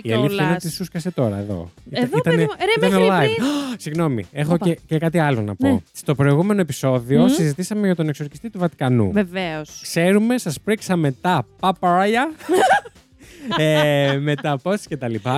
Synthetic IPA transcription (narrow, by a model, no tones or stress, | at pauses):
iɐliθsɐinnot̪isuskɐse̞t̪o̞ɾɐ̰eðo̰iit̪ɐneit̪ɐnelɐinsiɣno̞mḭexoecekɐt̪iɐlo̞nɐ̰post̪o̞pɾo̞iɣume̞no̞epi̥so̞ðio̞ssizit̪isɐme̞ʝɐt̪o̞nekso̞ɾçist̪it̪uvɐt̪i̥kɐnṵveveoskse̞ɾume̞sɐspɾiksɐme̞t̪ɐpɐpɐɾɐjɐ | eme̞t̪ɐposce̞t̪ɐlipɐ